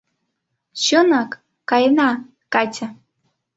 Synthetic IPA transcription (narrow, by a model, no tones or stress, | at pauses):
ɕonɑkː | ɑjnɑ | kɑtʲă